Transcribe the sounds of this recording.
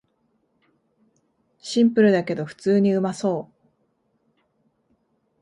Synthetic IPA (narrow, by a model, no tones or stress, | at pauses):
ɕĩmpɯ̟ɾɯ̟d̪ake̞d̪o̞ɸɯ̟̥t͡sɨːɲ̟iɯ̟maso̞ː